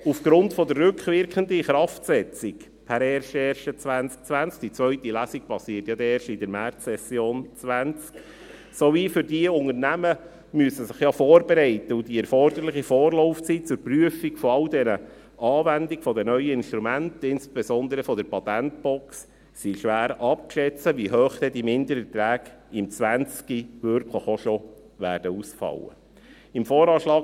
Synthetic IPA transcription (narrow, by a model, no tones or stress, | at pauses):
ufɡ̥ɾʊntfɔd̪ərːʉkʋɪɾkχənd̪əχɾɑftsɛt͡sik | pʰæɾɛɾʃɛːɾʃət͡sʋænt͡sk̚t͡sʋænt͡sk̚d̥it͡sʋœʏtilæːsik̚pɑsiːətjɑd̪ɛːɾʃɪdəɾmæt͡ssɛsjoːnt͡sʋænt͡sk | sovifʏɾdiʊŋəɾnæmə | myəsəsɪχjɑfɔːrbɛɾɛɪt̪əʊdiɛɾfɔrd̪əɾlɪχifɔːrlɔʊft͡sit̚t͡sʊɾpryəfikfɔɑldɛnə | ɑːvænd̪iɡəfɔdɛnœʏəɪnʃtɾumænt̪ɪnsb̥ɛsɔnd̪əɾəfɔd̪əɾpɑt̪ænt̪̚bɔksː | iʃʋæːɾɑp̚kʃɛt͡səʋiɦœːχt̪ɛd̥̪imɪnd̪əɾət̪ɾæːɡɪmt͡sʋænt͡skiʋøɾkʰləχoʃɔ | ʋæːɾd̥əusfɑ̰lə̰ | ɪmfɔːɾɑːʃlɑːk